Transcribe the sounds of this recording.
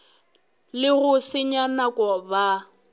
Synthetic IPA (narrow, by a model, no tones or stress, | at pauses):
lɪɣʊsɪɲanakʼɔba